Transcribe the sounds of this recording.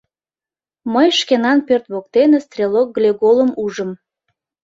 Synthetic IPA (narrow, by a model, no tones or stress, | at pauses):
məjʃkenɑnpørt̪βok̚t̪enest̪rʲelok̚ɡlʲeɡoləmuʒəm